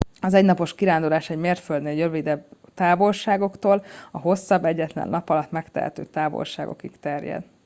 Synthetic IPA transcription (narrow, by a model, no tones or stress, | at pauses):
ɒzɛɟnɒpo̞ʃkiɾaːnd̪olaːʃɛɟmeːrt̪føld̪neːljøvid̪ɛbt̪aːvo̞lʃaːɡo̞kt̪oːlɒɦo̞sːɒbːɛɟːɛt̪lɛ̰nːʔɒpɒlɒt̪mɛkt̪ɛ̰ɦɛ̰t̪ø̰ːt̪aːvo̰lʃa̰ːɡo̞̰kikt̪ɛrjɛ̰d̪̥